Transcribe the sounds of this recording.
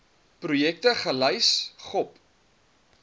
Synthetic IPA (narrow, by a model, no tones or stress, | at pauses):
prujɛk̚təχələjsχɔp